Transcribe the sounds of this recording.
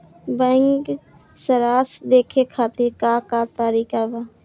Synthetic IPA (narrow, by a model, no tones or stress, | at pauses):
bə̃ŋɡ | səɾaːsd̪eːkʰekʰaːt̪iɾkakat̪aːɾiːkaba